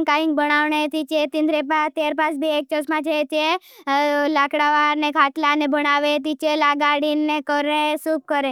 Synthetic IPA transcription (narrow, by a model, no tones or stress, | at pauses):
ŋkaĩŋk̚bəɽaʋɳet̪it͡ʃet̪ĩnd̪ɾepat̪jaɾpasbʱiek̚t͡ʃəsmãt͡ʃʰet͡ʃe | lakɽaʋaɾnekʰaʈlanebəɽaʋet̪it͡ʃelaɡaɽinːekəɾẽsup̚kəɾẽ